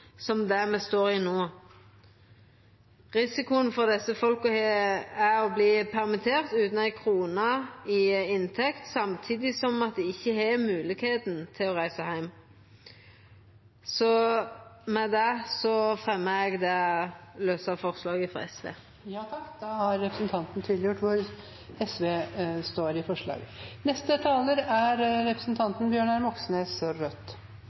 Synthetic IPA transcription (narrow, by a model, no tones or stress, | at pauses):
sɔmd̪æmɛst̪oːɾɪnoː | ʁɪsɪkʊənfɔʁd̪ɛsəfɔlkɔheæɾɔbliːpʰæʁmɪt̪ʰeːɾt̪ʉːt̪nɛɪkʰɾuːnɑɪɪnt̪ʰɛkt̪sɑmt̪ʰiːd̪ɪsɔmɑt̪̚d̪ɛɪçːəhɛmʉːlɪɡheːt̪n̩t̪ʰɪlɔʁæɪsəhæɪm | sɔ | mɛd̪ɛsɔfɾɛmːəɛɡd̪ɛløːsɑfɔʁslɑːɡəfɔ̰ɾɛsʋḛː | jɑːt̪ʰɑkd̪ɑːhɑɾːɛpɾəsnt̪ʰɑnt̪nt̪ʰiːd̪lɪjʊʈːʋʊɾ | ɛsʋeːst̪oːɾɪfɔʂɭɑ̰ːɡənɛst̪ət̪ʰɑːləɾæɾɾɛpɾəsn̩t̪ʰɑnt̪nbjøːɳæɾmɔksneːsɔɾœt̪ː